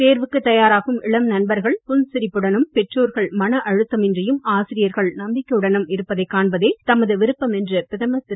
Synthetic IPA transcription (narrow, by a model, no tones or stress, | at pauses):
t̪eːɾʋɯkːɯt̪ːɐjaːɾaːɣɯmɪɭɐmnɐnbɐɾɣɐɭpʊnsɪɾɪpːɯɽɐnɯmpɛʈroːɾɣɐɭmɐnɐʔɐɻɯt̪ːɐmɪndrɐjɯmaːsɪɾɪjɐɾɣɐɭnɐmbɪkʲːɐɯɽɐnɯmɪɾɯpːɐðɐɪkːaːɳbɐðeːt̪ɐmɐðɯʋɪɾɯpːɐmɛndrɯpɪðɐmɐs